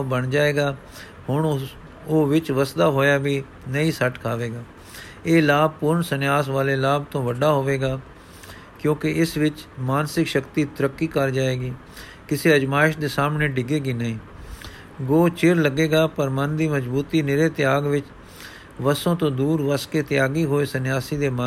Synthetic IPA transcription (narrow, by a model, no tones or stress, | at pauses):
bəɳd͡ʒaːeːɡaː | hʊɳ | oːʋɪt͡ʃʋəsd̪aːɦoːjaːbiː | nəĩːsəʈkʰaːʋeːɡaː | eːlaːb̚pʊɾɳsənɪjaːsʋaːleːlaːb̚t̪õːʋəɖaːɦoːʋeːɡaː | kjõːkɪɪsʋɪt͡ʃmaːnsɪkʃəkt̪iːt̪ʊɾəkːiːkəɾd͡ʒaːeːɡiː | kɪseːəd͡ʒmaːɪʃd̪eːsaːmneːɖɪɡeːɡiːnəĩː | ɡoːt͡ʃɪɾləɡeːɡaːpəɾmənd̪iːməd͡ʒbuːt̪iːnɪɾeːt̪ɪjaːɡʋɪt͡ʃ | ʋəsõːt̪õːd̪uːɾʋəskeːt̪ɪjaːɡiːɦoːeːsənɪjaːsiːd̪eːmə